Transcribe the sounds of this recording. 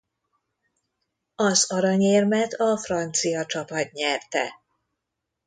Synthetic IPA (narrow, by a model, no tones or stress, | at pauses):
ɒzɒɾɒɲeːrmɛt̪ʰɒfrɒnt̪sijɒt͡ʃɒpɒd̪ɲɛrt̪ɛ